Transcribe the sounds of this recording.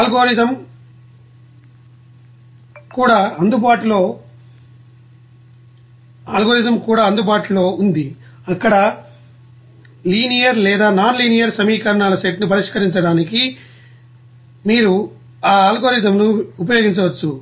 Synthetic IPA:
aːlɡoːɾit̪ɐm | kuːɽaːɐnd̪ubaːʈulo̞ː | aːlɡoːɾit̪ɐmkuːɽaːɐnd̪ubaːʈulo̞ːund̪i | ɐkːɐɽɐ | liːnijɐɾlɛːd̪aːnaːnliːnijɐɾsɐmiːkɐɾɐɳaːlɐseʈnup̬ɐɾiʂkɐɾiɲt͡ʃɐɽaːniki | miːɾu | aːaːlɡoːɾit̪̬ɐmnuup̬ɐjo̞ːɡiɲt͡ʃɐʋɐt͡ʃːu

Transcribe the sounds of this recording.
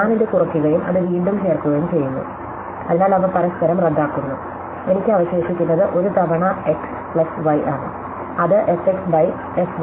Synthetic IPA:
aːninde̞kurɐkːuɣɐjumɐðɨʋiːɳɖumɦeːrkːuɣɐjumt͡ɕe̞jːunːṵ | ɐðinaːlɐʋɐpɐɾɐskɐɾɐmred̪ːaːkːunːṵ | e̞nikʲːɨɐʋɐɕeːɕikʲːunːɐðɨʔo̞ɾut̪ɐʋɐɳɐeks | pɭɐsʋɐjʔaːɳɨ̰ | ɐðɨʔeseksʋɐj | es

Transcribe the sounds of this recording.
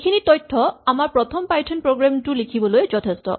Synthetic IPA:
kʰinitɔjtʰːɔamaɹpɹɔt̪ʰɔmpajtʰɔnpɹoɡɹamtulikʰibɔlojzɔt̪ʰestɔ̰

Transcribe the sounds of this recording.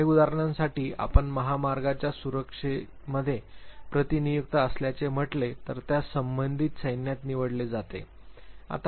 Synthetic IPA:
eud̪aɾɳãnsaʈiːʔa̰pəɳməɦamaɾɡat͡ɕjasuɾəkʂe | məd̪ʱːjepɾət̪inijuk̚t̪aəsljat͡sem̤əʈlet̪əɾt̪jasəmbənd̪ʱiːt̪səjnjat̪niʋəɽled͡zat̪ḛ | a̰t̪

